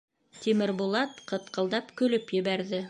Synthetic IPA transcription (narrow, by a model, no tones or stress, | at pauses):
t̪imɘɾbulˠɑt̪qɤ̆t̪qɤ̆lˠd̪ɑpkɵ̆lɘpjɘ̆βæɾðɘ